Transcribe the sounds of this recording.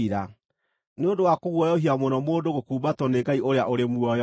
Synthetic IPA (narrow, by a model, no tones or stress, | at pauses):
iɾa | neondowakoɣwɔjɔɦiamonɔmoːndoɣokuːbatwɔneɡaiʔoɾeaʔoɾemuɔj